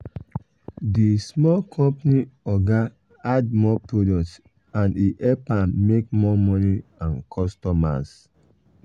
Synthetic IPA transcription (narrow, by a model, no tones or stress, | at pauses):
dismɔlkʰɔ̃mpniɔɡa | ad̚mɔpɹodɔk̚t | ãniʔɛpãmmekmɔmɔniãnkʰɔstɔma̰s